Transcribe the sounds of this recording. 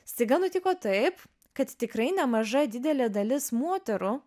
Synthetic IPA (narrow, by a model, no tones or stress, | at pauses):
sʲt̪ʲɐɪɡɐnʊt̪ʲɪkoːt̪ɐɪp | kɐt̪t̪ʲɪkɾɐɪnʲɛmɐʒɐd̪ʲɪd̪ʲɛlʲeːd̪ɐlʲɪsmuɔt̪ʲɛɾʊ